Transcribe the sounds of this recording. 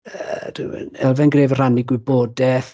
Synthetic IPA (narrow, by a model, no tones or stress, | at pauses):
əd̥ɪ̰wə̰nɛlˠvɛnɡreːvər̥aniɡwɪboːdɛθ